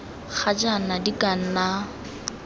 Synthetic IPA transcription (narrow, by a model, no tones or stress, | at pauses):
k͡xʰad͡ʒanadikʼan̩na